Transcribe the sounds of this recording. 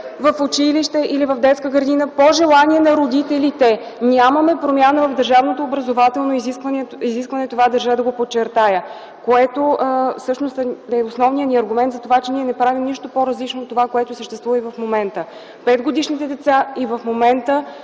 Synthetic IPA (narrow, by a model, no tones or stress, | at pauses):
vɐfʊt͡ʃiliʃt̪ɛʔilivɐvd̪ɛt̪skəɡəɾd̪inəpoʒɛlˠaniɛnɐɾod̪it̪ɛlit̪ɛnʲaməmɛpɾomʲjanəvɐvd̪əɾʒavnot̪oːbɾɐzovat̪ɛlˠnoizikvəniziskvɐnɛt̪ovad̪əɾʒəd̪ɐɡopot͡ʃːɛɾt̪ajə | koɛt̪ofsɤʃnost̪ɛosnɔvnijəniɐɾɡʊmɛnt̪zɐt̪ovat͡ʃɛniɛnɛpɾavimniʃt̪opoɾəzlit͡ʃnoːt̪ːovakoɛt̪osəʃt̪ɛst̪vuvəivɐfmomɛnt̪ə | pɛd̪ɡod̪iʃnit̪ɛd̪ɛt̪saivɐfmomɛnt̪ə